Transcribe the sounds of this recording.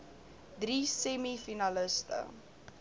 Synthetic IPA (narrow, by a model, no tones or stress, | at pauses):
drisɛmifinaləstə̰